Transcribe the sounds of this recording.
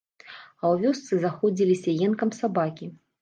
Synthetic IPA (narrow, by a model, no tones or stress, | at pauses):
ɐwvʲɔst̪sɨzaxɔd͡zʲilʲisʲɐjɛnkɐmsabakʲi